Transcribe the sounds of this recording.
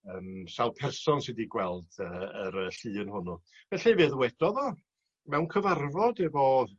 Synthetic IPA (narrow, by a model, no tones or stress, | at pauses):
əːmsawˠpʰɛrsɔnsɪdiɡwɛlˠd̥əəɾəɬɨːənhʊnʊ | mɛɬɛvɨðwɛd̥ɔðɔ | mɛwnkʰəvarvɔdɛvɔð